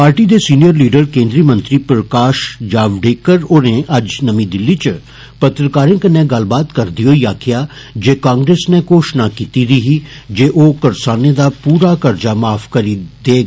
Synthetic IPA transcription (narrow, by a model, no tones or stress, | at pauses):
paːɾʈid̪esiːnijəɾliːɖəɾkẽːnd̪ɾimə̃nt̪ɾipɾəkaːʃd͡ʒaːʋɖeːkəɾonẽʔɐd͡ʒnɐmĩd̪ɪlːit͡ʃ | pɐt̪ɾəkaːɾẽkənːẽɡɐl̤baːt̪kɐɾd̪ijoːjaːkɪjaː | d͡ʒeːkãːŋɡɾeːsnekoːʃnakiːt̪iɾiɦiː | d͡ʒeːʔoːkɐɾsaːned̪aːpuːɾakɐɾd͡ʒamaːfkəɾid̪eːɡ